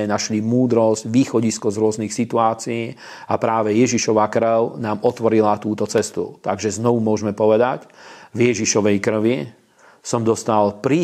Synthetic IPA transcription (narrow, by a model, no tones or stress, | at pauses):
ɛnaʃlimuːd̪ɾɔzɟʋiːxɔɟiskɔzɾʊɔznixsit̪uaːt͡siiː | apɾaːʋɛjɛʒiʃɔʋakɾʊnaːmɔt̪ʋɔɾilat̪uːt̪ɔt͡sɛst̪ṵt̪aɡʒɛznɔʋumʊɔʒmɛpɔʋɛd̪acvjɛʒiʃɔʋɛjkr̩ʋi | sɔmd̪ɔst̪alpɾiː